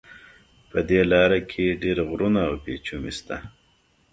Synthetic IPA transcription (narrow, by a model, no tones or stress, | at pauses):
pəd̪elɑɾakʰeɖeɾaɣɾunaːwpet͡ʃumḭst̪a̰